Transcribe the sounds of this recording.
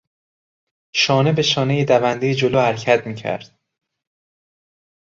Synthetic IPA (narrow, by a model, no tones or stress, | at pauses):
ʃɒːne̞be̞ʃɒːnejed̪ævænd̪ejed͡ʒoloːhæɾcʰæt̪miːcʰæ̰ɾd̪̥̚